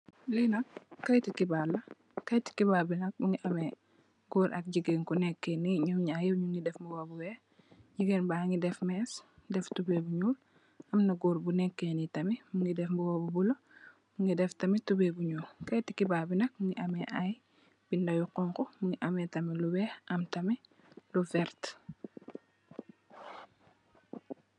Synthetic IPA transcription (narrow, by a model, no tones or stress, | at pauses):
linɐkːɐjtikibalːɐ | kɐjti̥kibaːbinɐk̚muŋiʔɐmɛ | ɡuːɾʔɐ̰k̚ɟiɡenkunɛkːɛniɲuɲajɛɲuŋɡidɛfmbuwobuwɛː | ɟiɡenbaŋidɛfmɛsdɛftubɛbuɲuːl | ʔɐmnɐɡuːɾbunɛkːɛnitɐmimuŋidɛfmbuwɔbubulɐ | muŋɡidɛftɐmitubebuɲuːlkɐjtikibaːbinɐk̚muŋiʔɐmɛʔaj | bindɐjuqɔŋkɔmuŋiʔɐmɛtɐmiluwɛːɐmtɐmi | lufɛɾt